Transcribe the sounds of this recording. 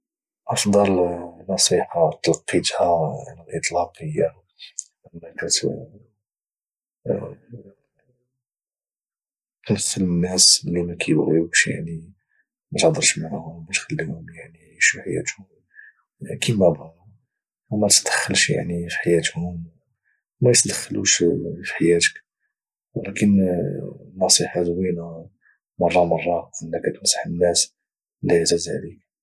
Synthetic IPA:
ʔɑfd̪ˤɑlnɑsˤiħat̪lqːit̪haʕləlʔət̪ˤlɑqəjːa | ʔənːækæt̪ | kæsələnːæslːimækʰijbɣiəʃja̰ʕni | mæt̪hd̪əɾˤʃmaʕhʊmmæt̪xælːihʊmjaʕniʃiħajæ̰t̪hʊm | kimæbhʊm | mæt̪d̪̥ə̥xːəlʃja̰ʕnifi̥ħajæt̪hʊm | mæjt̪d̪əxːəluʃfi̥ħajæt̪ə̥k | wlækən | nːɑsˤiħɑd̪winæ | mɑrˤːɑmɑrˤːɑʔənːækːæt̪msə̥ħənːæs | læjzæzʕlik̚

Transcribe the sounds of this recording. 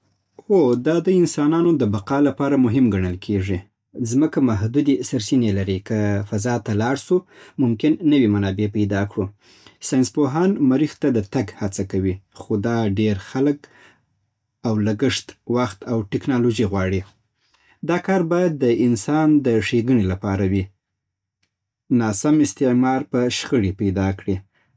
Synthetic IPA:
xod̪ɑd̪əɪnsɑnɑnod̪əbaqɑlapɑɾamʊɦɪmɡaɳəlkʰeʐi | zməkamaɦd̪ud̪esəɾsinelaɾikəfazɑt̪alɑɽsumʊmkɪnːəwimanɑbepajd̪ɑkɽu | sɑjnspoɦɑnmaɾixt̪ad̪ət̪aɡhat͡sakawixod̪ɑɖeɾxalək | awlaɡəʂt̪waxt̪awʈɪknɑloʒiɣwɑɽi | d̪ɑkɑɾbɑjad̪ːəɪnsɑnd̪əʂeɡəɳilapɑɾawi | nɑsamɪst̪ɪʕmɑɾpəʃxəɽipajd̪ɑkɽi

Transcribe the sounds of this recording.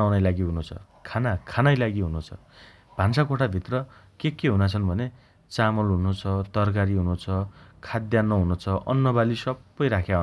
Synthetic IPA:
awnajlaɡiɦunũt͡sʰʌ̰ | kʰanakʰanajlaɡiɦunũt͡sʰʌ̰ | b̥ʱansakoʈʰabʱit̪rʌkekeɦunat͡sʰʌnbʱʌne | t͡samʌlɦunũt͡sʰʌt̪ʌrk̬aɾiɦunũt͡sʰʌkʰad̪janːʌɦunũt͡sʰʌʔʌ̰nːʌbalisʌbːʌjɾakʰjaɦu

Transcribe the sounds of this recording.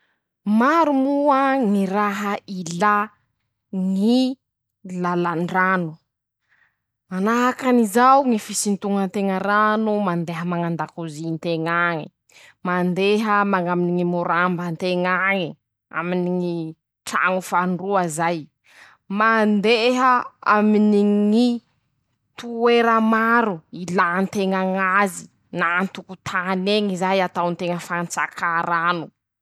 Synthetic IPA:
maɾumuəŋiɾaɦəila | ŋi | lalaɳɖ͡ʐanu | manaɦakanizawŋifisint̪uŋənt̪eŋəɾanumand̪eɦəmaŋand̪akuzint̪eŋaŋi | mand̪eɦəmaŋaminiŋimuɾambənt̪eŋaŋi | a̰miniŋi | ʈ͡ʂa̰ŋufaɳruazaj | mand̪eɦəa̰miniŋi | t̪ueɾəmaɾuilant̪eŋaŋazi | nant̪ukut̪ʰaneŋizajat̪awnt̪eŋəfant͡sa̰kʰaɾanu

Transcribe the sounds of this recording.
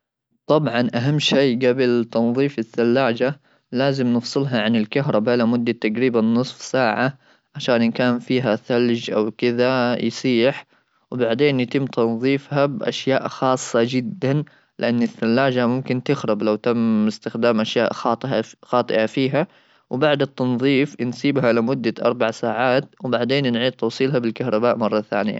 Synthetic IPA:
t̪ˤɑbʕɑnʔaɦamːʃiːɡabɪlt̪ɑnðˤiːfɪθːalːaːd͡ʒa | laːzɪmnɨfsˤɨlɦɑʕanɪlkaɦɾˤɑbalamʊd̪ːat̪aɡɾiːbanːɨsˤfsaːʕa | ʕaʃaːnʔɪnkaːnfiːɦaθald͡ʒʔa̰wkɪðajsˤiːħ | wbaʕd̪eːnjt̪ɪmːt̪ʰɑnðˤiːfhabʔa̰ʃjaːʔxɑːsˤːɑd͡ʒɪd̪ːan | lɪʔanːɪθːalːaːd͡ʒamʊmkɪnt̪ɪxɾˤɑblawt̪amɪst̪ɪxd̪aːmʔaʃja̰ːʔxɑːt̪ˤxɑːt̪ˤɨ̰ʔafiːɦa | wbaʕd̪ɪt̪ːɑnðˤiːfnsiːbɦaʔlamʊd̪ːaʔɑ̰ɾˤbaʕsaːʕaːt̪wbaʕd̪eːnnʕiːt̪t̪ːɑwsˤiːlɦabɪlkahɾˤɑbaːʔmɑrˤːɑθa̰ːnɪja̰

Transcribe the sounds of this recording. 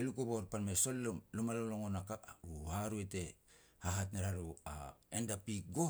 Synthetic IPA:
elukuβoɾpanmeso̞llumaloloŋonakauhaɾue̞te̞ | haɦatneɾaɾua̰endapik̚ɡo

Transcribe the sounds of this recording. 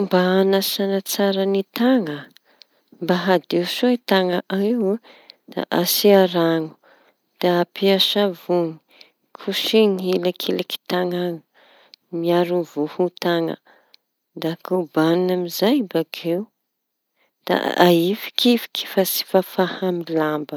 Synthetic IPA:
mbaanasanat͡saɾənit̪aŋə | mbaɦad̪ewʃoit̪aŋaʔaew | d̪̥a̰ʔasiaɾaŋu̥ | d̪̥aapʰiaʃavuni̥ | kʰuʃiniɦilakʰelaki̥t̪aŋaŋu̥ | miaɾuvuhut̪aŋə̰ | d̪akubanunamizajbakʰew | d̪̥a̰ʔa̰ifi̥kʰifi̥ki̥fasi̥fafahamilambə

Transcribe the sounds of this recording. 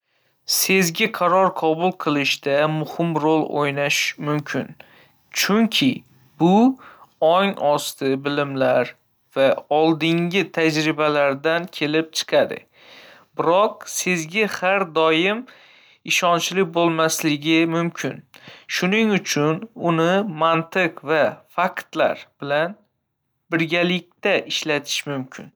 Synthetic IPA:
se̞zɡʲɪqʰɑɾɒɾqʰɒbʊlˠqʰɨlˠɪʃd̪amʊhɪmɾolˠo̰jnaʃmʊmkʲʰɪn | t͡ʃʰʊŋkʲʰɪ | bʊ | ɒŋɒst̪ʰɪbɪlɪmlaɾ | vaɒlˠd̪ɪŋɡʲɪt̪ʰad͡ʒɾɪbalaɾd̪ankʲʰe̞lɪp̚t͡ʃʰɨ̥qʰɑd̪ɪ̰ | bɪɾɒq̚sezɡʲahaɾd̪ɒjɪm | ɪʃɒnt͡ʃlɪbolˠmaslɪɡʲɪmʊmkʲʰɪnʃʊnɪŋʊt͡ʃʰʊnʊnɪmant̪ɪqvafakt̪la̰ɾb̥ɪlan | bɪɾɡʲalɪk̚ʲt̪aʔɪʃlat̪ʰɪ̥ʃmʊmkʲʰɪ̰n

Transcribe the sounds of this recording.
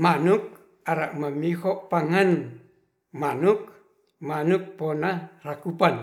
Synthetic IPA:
manuk̚ | aɾaʔmamihɔʔpaŋan | manuk̚ | manuk̚pɔnarakupan

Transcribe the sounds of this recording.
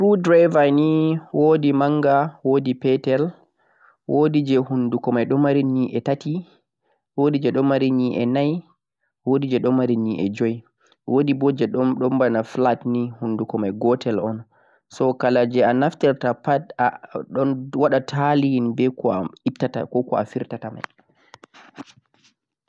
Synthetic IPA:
ɾudɾajvaniwodimaŋɡawodipɛtɛl | wʔodid͡ʒɛhundukɔmajɗɔmaɾiɲiʔɛtati | wodid͡ʒɛɗɔmaɾiɲiʔɛ̰naj | wodid͡ʒɛɗɔmaɾiɲiʔɛ̰d͡ʒɔj | wodibɔd͡ʒɛɗɔɗɔmbanaflatnihundukɔmajɡɔtʰɛlɔn | sɔkalad͡ʒɛanaftɛɾtapaaɔnwaɗatʰalinbɛkɔaiptata̰kɔkɔafiɾtatama̰j

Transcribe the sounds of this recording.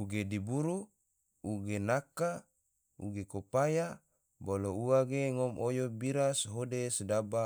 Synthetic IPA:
uɡedibuɾu | uɡenaka | ṵɡekopaja | bolouwaɡeŋɔmojobiɾasɦodesdaba

